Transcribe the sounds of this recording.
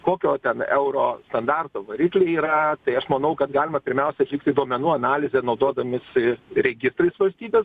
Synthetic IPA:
koːkʲoːt̪ʲɛnɛʊɾoːst̪ɐnd̪ɑrt̪oːʋɐɾʲiːklʲeːiːɾɐt̪ɐɪɐʃmɐnɐʊkɐt̪ɡɑːlʲɪmɐpʲɪɾʲmʲɛʊsʲɛɐt̪lʲɪkt̪ʲɪd̪oɔmʲɛnuːɐnɑːlʲɪzʲɛːnɐʊd̪oɔd̪ɐmʲɪsɪɾʲɛɡʲɪst̪ɾɐɪsʋɐlʲsʲt̪ʲiːbʲeːs

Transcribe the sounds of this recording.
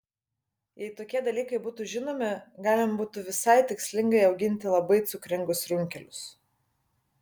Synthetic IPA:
jɛɪt̪oːkʲiɛd̪ɐlʲiːkɐɪbuːt̪uːʒʲɪnoːmʲɪɡɑːlʲɪmbuːt̪ʊʋʲɪsɐɪt̪ʲɪksʲlʲɪŋɡɐɪɐʊɡʲɪnʲt̪ʲɪlˠɐbɐɪt̪sʊkɾʲɪŋɡʊsɾʲʊŋʲkʲɛlʲʊs

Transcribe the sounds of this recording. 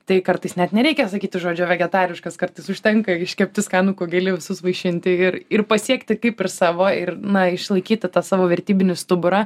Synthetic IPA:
t̪ɐɪkɐɾt̪ɐɪsnʲɛt̪nʲɛɾʲɛɪkʲɛsɐkʲiːt̪ʲɪʒoːd͡ʒʲʊʋʲɛɡʲɛt̪ɑːɾʲɪʃkɐskɐrt̪ɐɪsʊʃʲt̪ʲɛŋkɐɪʃʲkʲɛp̚ʲt̪ʲɪskɑːnukoːɡʲɛlʲɪʋʲɪsʊsʋɐɪʃʲɪnʲt̪ʲɪɪrɪrpɐsʲiɛkt̪ʲɪkɐɪpɪrsɑːʋoːɪrnɐɪʃlˠɐɪkʲiːt̪ʲɪt̪ɑːsɑːʋoːʋʲɛrʲt̪ʲiːbʲɪnʲɪst̪ʊbʊɾɑ

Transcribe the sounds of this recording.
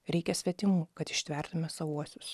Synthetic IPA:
ɾʲɛɪkʲɛsʲʋʲɛt̪ʲɪmuːkɐt̪ɪʃʲt̪ʲʋʲɛˑɾt̪ʊmʲɛsɐuɔsʲʊs

